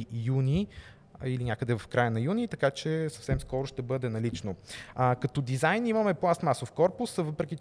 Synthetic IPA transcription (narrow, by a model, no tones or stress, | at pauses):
juni | ilinʲakəd̪ɛvɐfkɾajənɐjunʲit̪ɐkat͡ʃɛsɐfsɛmskɔɾʊʃt̪ɛbɤd̪ɛnɐlit͡ʃnoəkɐt̪ɔd̪izajnimɐmɛplˠast̪masofkɔɾpʊsvɤpɾɛkʲi